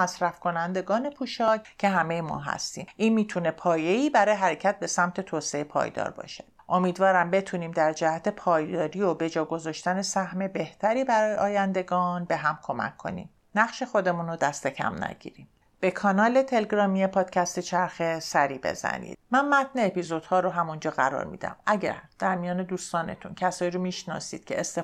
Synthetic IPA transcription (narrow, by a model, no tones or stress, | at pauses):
æsɾæfkʰo̞nænd̪e̞ɡɒːne̞pʰuːʃɒːccʰe̞ɦæme̞jemɒ̰ːɦæ̰st̪ḭːmʔiːnmiːt̪ʰune̞pʰɒːje̞iːbæɾɒːjeɦæɾecʰæt̪̚be̞sæmt̪ʰe̞t̪ʰoːseepʰɒ̰ːjd̪ɒ̰ːɾbɒ̰ːʃe̥ | ʔo̞miːd̪vɒːɾæmbe̞t̪ʰuniːmd̪æɾd͡ʒæhæt̪ʰe̞pʰɒːjd̪ɒːɾiːobe̞d͡ʒɒːɡo̞zɒːʃt̪æne̞sæhme̞be̞ht̪ʰæɾiːbæɾɒːjeʔɒːjænd̪e̞ɡɒːnbe̞ɦæmkʰo̞mæ̰kʰːo̞̰nḭm | næɣʃexo̞d̪e̞muːnod̪æst̪e̞cʰæ̰mnæ̰ɟḭːɾiːm | b̥e̞kʰɒnɒːle̞t̪ʰe̞leɡɾɒːmijepʰɒːd̪̥cʰæst̪e̞t͡ʃʰæɾxesæɾiːbe̞̰zæ̰nḭːd̪̚mænmæt̪neːpizo̞d̪̥hɒːɾoɦæmund͡ʒɒːɣæɾɒ̰ːɾmḭːd̪æ̰mæɟæ̰ɾd̪̥æɾmijɒːne̞d̪uːst̪ɒːne̞̰t̪ʰuncʰæsɒːiɾomiːʃnɒ̰sḭːd̪̥̚cʰe̞ːst̪e